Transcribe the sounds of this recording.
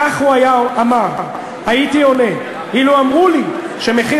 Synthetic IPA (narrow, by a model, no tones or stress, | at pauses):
aχhuajaamaʁ | haitio̞ne̞ | iluamʁuli | ʃe̞me̞χi